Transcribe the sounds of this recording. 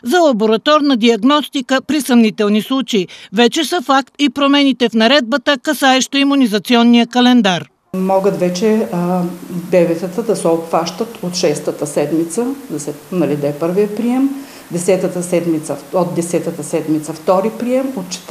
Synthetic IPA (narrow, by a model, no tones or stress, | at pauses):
zɐlˠɐboɾɐt̪ɔɾnɐd̪iɐɡnɔst̪ikəpɾisɐmnit̪ɛlˠnislˠut͡ʃeivɛt͡ʃɛsəfakt̪ipɾomɛnit̪ɛfnɐɾɛd̪̚bət̪əkɐsaɛʃt̪oimunizɐt̪siɔnːijəkɐlɛnd̪aɾ | mɔɡət̪vɛt͡ʃɛ | bɛvɛt̪ət̪əd̪ɐsɛopfaʃt̪ət̪ot̪ʃɛst̪ət̪əsɛd̪mit̪səd̪ɐsɛ | nɐlid̪aɛpɤɾvijəpɾiɛm | d̪ɛsɛt̪ət̪əsɛd̪mit̪səod̪̚d̪ɛsɛt̪ət̪əsɛd̪mit̪səft̪ɔɾipɾiɛmot̪t͡ʃɛ̥t̪